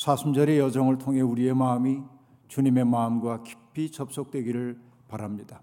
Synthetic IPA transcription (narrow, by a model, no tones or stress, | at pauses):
sʰasʰumd͡ʑʌɾe̞jʌd͡ʑʌŋɯɭtʰoŋɦe̞uɾie̞maːmi | t͡ɕuɲime̞mamɡwaki̥pʰit͡ɕʌp̚s͈ok̚t͈we̞ɡiɾɯɭ | paɾamɲida